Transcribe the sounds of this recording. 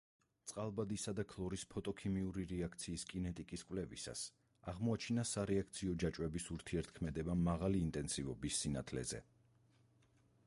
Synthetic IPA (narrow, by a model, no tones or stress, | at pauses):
t̪sʼqʼalˠbad̪isad̪akʰlˠɔɾispʰɔt̪ʼɔkʰimiuɾiɾɛakʰt̪sʰiːskʼinɛt̪ʼikʼiskʼvlɛvḭsa̰s | aʁmɔat͡ʃʰinasaɾɛakʰt̪sʰiɔd͡ʒat͡ʃʼwɛbisuɾt̪ʰiɛɾt̪̚ʰkʰmɛd̪ɛbamːaʁaliːnt̪ʼɛnsivɔbisːinat̪ʰlɛ̰zɛ̰